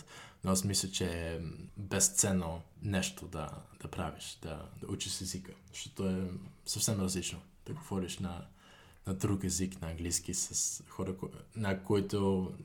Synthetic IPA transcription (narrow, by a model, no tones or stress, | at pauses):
noasmislʲət͡ʃɛ | bɛst̪sɛnonɛʃt̪od̪ɐ̰d̪̥ɐpɾaviʃd̪̥ɐ̰d̪̥ɐut͡ʃiʃɛzikəzɐʃt̪ɔt̪oɛsəfsɛmɾɐzlit͡ʃno | d̪̥ɐɡovɔɾiʃnɐ | nɐd̪ɾukɛziknɐɐŋɡlisk̟isɐsxɔɾəknɐkoit̪o